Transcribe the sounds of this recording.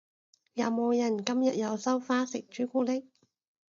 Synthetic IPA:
jɐ˨˧wmo˨˧wjɐ˨˩nkɐ˥mjɐ˨t̚jɐ˨˧wsɐ˥wfaː˥sɪ˨k̚t͡ʃyː˨˥kʷuː˥lɪ˥k̚

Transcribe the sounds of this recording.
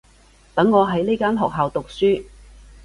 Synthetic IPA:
t̪ɐ˨˥ŋːɔː˨˧ɦɐ˨˥jle˥jkaː˥nɦɔː˨k̚ɦaː˨wt̪ʊ˨k̚syː˥

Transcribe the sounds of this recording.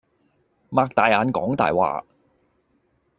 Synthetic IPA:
maː˧k̚t̪aː˨jaː˨˧nkɔː˨˥ŋt̪a̰ː˨jwa̰ː˨˧

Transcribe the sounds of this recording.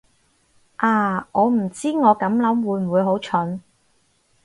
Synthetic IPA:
ʔaː˧ŋɔː˨˧m̩˨˩t͡siː˥ŋɔː˨˧kɐ˨˥mlɐ˨˥mwuː˨˧jm̩˨uː˨˧jɦo˨˥wt͡ʃʰɵ˨˥n

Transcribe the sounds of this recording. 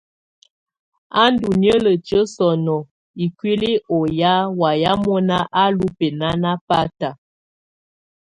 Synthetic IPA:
a˦ndu˨njə˦lə˨t͡ʃə˦sɔ˨nɔ˨ | i˨kwi˦li˦ɔ˨ja˦wa˨ja˦mɔ˦na˦ʔa˦lu˦pe˨na˦na˦pa˦ta˨

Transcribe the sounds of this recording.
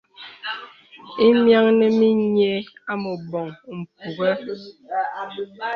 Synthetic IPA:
i˦mja˦ŋne˦mi˦ɲe˦a˦mo˨bɔ˨ŋm̩˨p̚u˨ɣɛ˦

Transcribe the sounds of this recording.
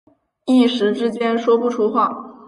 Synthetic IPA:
i˥˩ʂɻ̩˧˥ʈ͡ʂɻ̩˥t͡ɕjɛ˥nʂwɔ˥pu˥˩ʈ͡ʂʰu˥xwa˥˩

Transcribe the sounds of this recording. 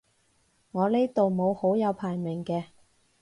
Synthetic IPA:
ŋɔː˨˧le˥t̪o˨wmo˨˧who˨˥wjɐ˨˧wpʰaː˨˩jmɪ˨˩ŋkɛː˧

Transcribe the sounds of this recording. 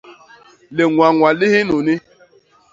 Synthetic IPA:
le˨ŋʷa˨ŋʷa˨lɪ˦ɦɪ˦nʊ˨nɪ˦

